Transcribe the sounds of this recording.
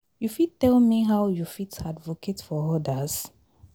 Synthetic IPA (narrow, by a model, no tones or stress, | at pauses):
jufittɛlmiɦawjufitadvokʰetfɔɔdəs